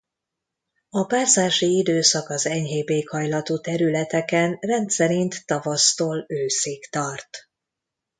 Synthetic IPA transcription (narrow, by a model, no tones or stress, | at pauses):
ɒpaːsaːʃiid̪øːsɒkɒzɛɲɦeːbeːkhɒjlɒt̪uːt̪ɛɾylɛt̪ɛkɛnrɛnt̪sɛɾint̪ːɒvɒst̪oːløːseːkt̪ɒrt̪